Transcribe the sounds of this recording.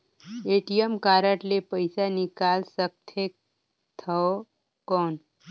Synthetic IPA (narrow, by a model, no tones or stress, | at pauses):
eʈijəmkaɾaʈlepəjsanikalsək̚t̪ʰek̚ | t̪ʰə | kɔn